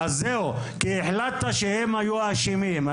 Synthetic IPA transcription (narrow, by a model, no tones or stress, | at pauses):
azeu | kieħlat̪ːaʃehemhajuaʃimima